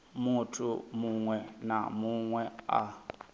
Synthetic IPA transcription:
mutʰumuŋwɛna̰muŋwɛa̰

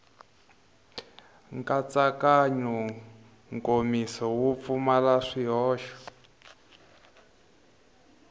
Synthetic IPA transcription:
ŋkat͡sakaɲɔ | ŋkomisɔwup̪fumalaʂiɦɔːʃɔ̥

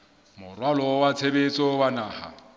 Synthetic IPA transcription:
mʊrwalɔwat͡sʰebet͡sʼɔwanaːha̰

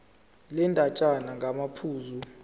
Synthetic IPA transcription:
lɛntʼat͡ʃʼanaŋɡʱamapʰuːzu

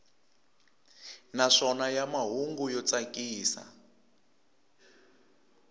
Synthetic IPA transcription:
naʂɔnajamaɦuŋɡujɔt͡sakiːsa̰

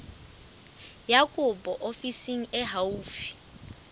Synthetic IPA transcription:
jakʼʊbʼɔʔofisiŋ̩ɛɦauːfi̥

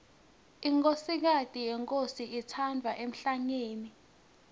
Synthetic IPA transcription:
iŋkʼosik̬atʼijɛŋkʼosiitʰandʱwaʔem̩ɬaɲeːni

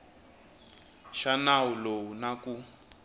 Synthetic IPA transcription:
ʃanawulowunaku

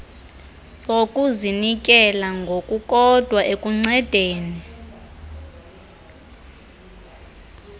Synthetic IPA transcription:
okʼuzinikʼɛlaŋɡʱokʼukʼɔd̥ʱwaʔekʼuŋ͡ǀɛd̥ʱeːni

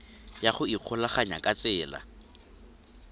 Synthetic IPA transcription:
jaχʊiq͡χʰʊlaχaɲa̰kʼat͡sʼɛːla̰

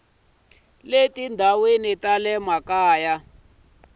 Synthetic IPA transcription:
letindʱawenitalɛmakaːja

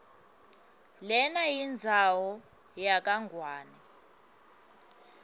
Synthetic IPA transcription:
lɛnajind͡zʱawɔ | jak̬ʼaŋʱwaːnɛ

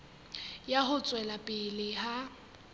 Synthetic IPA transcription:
jaɦʊt͡sʼwɛlapʼɪlɪha

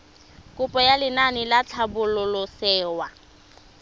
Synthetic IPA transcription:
kʼʊpʼɔjalɪnanɪlat͡ɬʰabʊlʊlʊsɛːwa

